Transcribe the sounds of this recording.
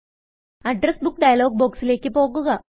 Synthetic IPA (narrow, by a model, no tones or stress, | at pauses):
aɖɾesbuk̚ɖajlɔɡ̚bɔkslekːipoɡəɡa